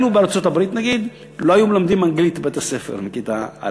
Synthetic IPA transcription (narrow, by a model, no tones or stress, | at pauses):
nubeaɾt͡sot̪abʁit̪naɡid̪ | lo̞ajumelamd̪imaŋɡlit̪bet̪ase̞fḛʁmikit̪a̰a̰